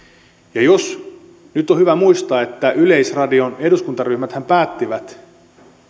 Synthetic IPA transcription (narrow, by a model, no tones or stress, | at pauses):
jɑjos | nyt̪ːohyʋæmuist̪ɑːet̪ːæʔyle̞jsrɑdio̞ne̞duskunt̪ɑryhmæt̪hæmpæːt̪ːiʋæt̪